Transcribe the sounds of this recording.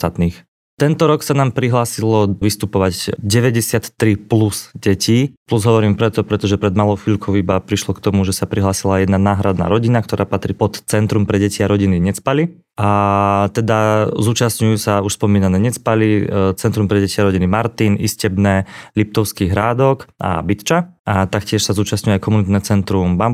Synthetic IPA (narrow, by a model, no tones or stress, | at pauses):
t̪at̪niːx | t̪ɛnt̪ɔɾɔksanaːmpɾiɦlaːsilɔʋist̪upɔʋaɟɟɛʋɛɟɛsɪat̪ːɾiplusɟɛciːpluzɦɔʋɔɾiːmpɾɛt̪ɔpɾɛt̪ɔʒɛpɾɛd̪malˠɔʊfiʎkʰɔʊibapɾiʃlɔkt̪ɔmuʒɛsapɾiɦlaːsilajɛd̪nanaːɦɾad̪na̰ɾɔɟinakt̪ɔɾʔaːpat̪ɾipɔt̪ːt͡sɛnt̪ɾumpɾɛɟɛciaɾɔɟiniɲɛt͡spali | at̪ɛd̪azuːt͡ʃasɲujusauʃspɔmiːnanɛɲɛt͡spalit͡sɛnt̪ɾumpɾɛɟɛciaɾɔɟinimaɾt̪iniscɛbnɛlip̚t̪ɔʊskiɦɾaːd̪ɔkʔa̰bit̪t͡ʃaʔat̪akcɪɛʃsazuːt͡ʃasɲujɛajkɔmunit̪nɛt͡sɛnt̪ɾumbam